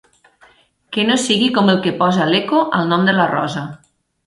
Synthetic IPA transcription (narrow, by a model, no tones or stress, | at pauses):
kenosiɣikɔməlˠkəpɔzalekoʔə̰lˠnɔmd̪əlarɔ̰zɐ